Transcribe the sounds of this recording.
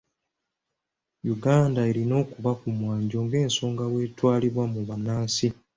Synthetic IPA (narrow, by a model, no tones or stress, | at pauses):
juɡaːndae̞ɾino̞ːkuβakumwaːɲɟo̞ːŋɡe̞ːnso̞ːŋɡawe̞ːtwaːliβwamuβanaːsi